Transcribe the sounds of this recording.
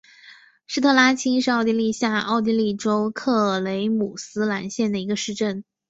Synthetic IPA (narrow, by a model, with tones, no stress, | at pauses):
ʂɻ̩˥˧t̪ʰɤ˥˩la˥t͡ɕʰi˥nʂɻ̩˥˧ɑ˥˧ʊt̪̬i˥li˥˧ɕja˥˧ɑ˥˩ʊt̪̬i˥li˥˩ʈ͡ʂo˥ʊkʰɤ˥˩le˧˥ɪmu˨˩sɹ̩˥la˧˥nɕjɛ˥˩nd̪ə˩i˧˥ɡə˧ʂɻ̩˥˧ʈ͡ʂə˥˩n